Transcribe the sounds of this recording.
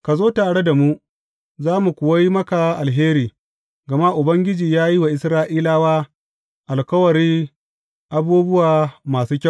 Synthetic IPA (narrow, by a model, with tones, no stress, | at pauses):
ka˨zoː˦taː˨ɽe˦da˨mu˦ʔ | zaː˦mu˨kʷʊ˨wa˦ji˦mɐ˦ka˨ʔa˨lɦeː˦ɾiː˨ | ɡɐ˨ma˦ʔʊ˨bɐ˦ŋɡʲɪ˦d͡ʒiː˨jaː˦ji˦wa˨ʔɪ˦sɾaː˦ʔiː˦laː˦waː˦ | ʔa˨lkɐ˦wɐ˨ɾiː˦ | ʔa˦buː˦bʊ˦waː˨maː˨suː˦kʲa˦˨